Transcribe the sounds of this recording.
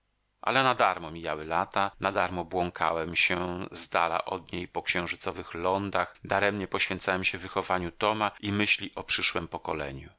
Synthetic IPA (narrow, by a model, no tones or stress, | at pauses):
ʔa̰lɛnad̪aɾmɔmʲijawɘlat̪anad̪aɾmɔbwɔŋkʰa̰wɛmɕɛzd̪a̰la̰ʔɔd̪ɲejpɔkɕɛ̃w̃ʐɘt̪sɔvɘxlɔnd̪axd̪aɾɛmɲɛpɔɕfʲjɛ̃nt̪sawɛmɕɛvɘxɔvaɲut̪ɔmaimɘɕlʲiʔɔpʂɘʂwɛmpɔkɔlɛ̰ɲṵ